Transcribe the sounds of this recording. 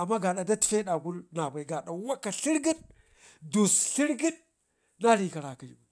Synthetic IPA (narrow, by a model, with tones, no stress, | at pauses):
a˨mːa˦ɡa˨ɗa˨da˦ti̥˨fe˦ɗa˨ɡu˦lna˨ba˨i˨ɡa˨ɗa˨wa˦kːa˨ɬi˦ɾɡi˦n | do˨sɬi˦ɾɡi˦n | na˦li˨ka˨ɾa˨ki˨d͡ʒi˨u˨